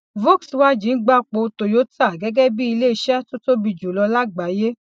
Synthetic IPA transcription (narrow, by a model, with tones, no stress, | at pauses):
vo˦˨kswa˦d͡ʒĩ˨˦n̩˦ɡ͡ba˦k͡po˧to˨jo˨˦ta˦˨ɡɛ˨˦ɡɛ˦bi˦i˧le˦i˧˦ʃɛ˦to˦to˦bi˧d͡ʒu˨lɔ˧la˦ɡ͡ba˨˦je˦